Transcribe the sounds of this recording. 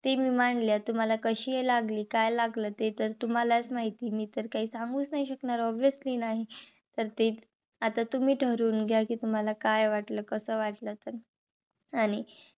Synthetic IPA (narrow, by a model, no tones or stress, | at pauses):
t̪emiːmaɳljat̪um̤alakəɕiːelaɡliːkajlaɡləːt̪et̪əɾt̪um̤alat͡smaɦit̪iːmiːt̪əɾkaɦiːsãŋɡuːt͡snaɦiɕəknaɾɔbjəsliːnaɦit̪əɾt̪e | at̪at̪um̤iːʈʰəɾuːnɡʱjakiːt̪um̤alakajʋaʈləːkəsəːʋaʈlət̪əɾ | aɽ̃i